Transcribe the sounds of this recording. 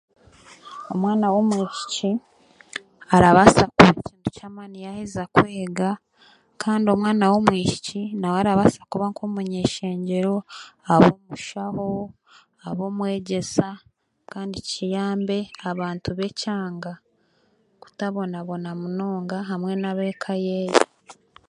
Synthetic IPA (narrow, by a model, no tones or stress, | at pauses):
o̞mwaːnawomwiːci̥ci | aɾaβasakuβaciːntu̥camanijahizakweːɡa | kʰaːndio̞mwaːnawomwiːci̥cinawaɾaβasḁkuβaŋkomuɲeːʃe̞ːɲɟe̞ɾo̞aβoːmuʃaho̞ | aβo̞ːmwe̞ːɟe̞sa | kaːndicijaːmbe̞aβaːntuβe̞caːŋɡa | ku̥taβo̞naβo̞namunoːŋɡaɦamŋe̞naβe̞kʰajeːji